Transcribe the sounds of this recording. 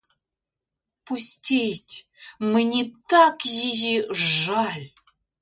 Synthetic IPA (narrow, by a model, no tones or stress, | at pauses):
pusʲtʲejtʲ | mɘnʲit̪ɑkjiʑiʐalʲ